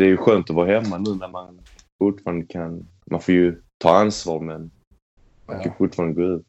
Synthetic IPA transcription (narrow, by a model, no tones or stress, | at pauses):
ɛæɾjɵɧøːnt̪ɔvɑːɦɛmːanʉ̟ːnæɾman | fʊʈːfɑːɾand̪əkʰan | mʔa̰nfoːɾjɵt̪ʰɑːansvɑːɾmɛn | ma̰nkʰanfʊʈːfɑːɾand̪əɡoːʉ̟ːt̪